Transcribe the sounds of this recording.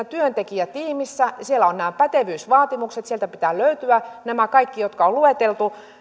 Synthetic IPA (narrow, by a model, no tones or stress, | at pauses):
t̪yønt̪ekiæt̪iːmisːæsielːæonnæːpæt̪eʋyːsʋɑːt̪imukset̪sielt̪æpit̪æːløyt̪yænæmækɑikːijot̪kɑolluet̪elt̪u